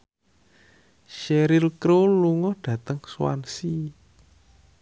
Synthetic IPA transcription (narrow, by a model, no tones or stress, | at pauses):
ʃeɾɪlkɾoluŋɔhɖ̥ä̤t̪əŋswa̰nsi